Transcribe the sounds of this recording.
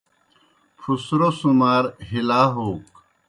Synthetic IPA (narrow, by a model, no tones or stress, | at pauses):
pʰusɾosumaːɾɦilaːɦoːk